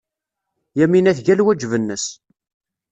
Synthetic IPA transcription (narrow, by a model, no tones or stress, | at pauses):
jæminæθʝælwæd͡ʒvənːəs